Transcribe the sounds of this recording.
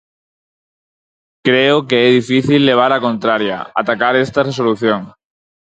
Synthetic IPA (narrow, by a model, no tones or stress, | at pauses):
kɾeʊkeɛðifiθilːeβ̞aɾakont̪ɾaɾja̰a̰t̪akaɾest̪aresoluθjoŋ